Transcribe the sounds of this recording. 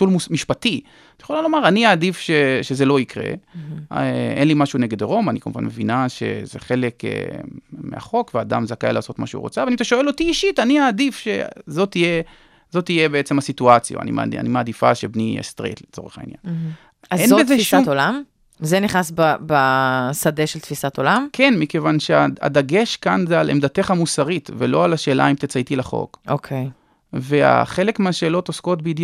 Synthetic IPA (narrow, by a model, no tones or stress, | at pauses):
tulmumiʃpat̪i | jχolalomaʁaniaːd̪ifʃeʃezelo̞ikʁe̞̰ | ʔḛnlimaʃuneɡe̞d̪eʁo̞manikamṵva̰nmevinaʃe̞̰zḛχe̞le̞kḛmea̰χo̞kvead̪a̰mzakajlaːso̞t̪maʃeṵʁot͡savanit̪aʃoelo̞t̪iiʃitaniaːd̪ifʃe̞̰zo̞t̪ije̞ | zo̞t̪ije̞beet͡se̞masit̪uat͡sja̰a̰nḭma̰a̰nimaːd̪ifa̰ʃebniḛst̪ʁḛt̪let͡so̰ʁeχa̰ḭnja̰n | azenobezeʃat̪olam | zeniχnasbabasadeʃelt̪fisat̪olamkʰe̞nmike̞vanʃeaa̰d̪aɡe̞ʃkanzealʔḛmd̪at̪e̞χamusaʁit̪vḛlo̞alaʃe̞ːlʔa̰imt̪et͡sait̪ilaχo̞̰kokʰej | vea̰χe̞lekmeaʃeːlo̞t̪osko̞t̪̚beid̪